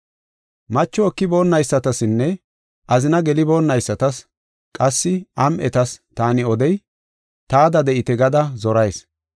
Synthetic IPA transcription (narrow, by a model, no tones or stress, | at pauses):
mɐt͡ʃːɔːkːɪbo̞ːnːɐjsːɐt̪ɐsɪnːɛ | ʔɐzɪnɐɡɛlɪbo̞ːnːɐjsːɐt̪ɐs | kʼɐsːɪɐmʔɛt̪ɐst̪aːnɪɔd̪ɛj | t̪aːd̪ɐd̪ɛʔɪt̪ɛɡɐd̪ɐzɔɾɐjs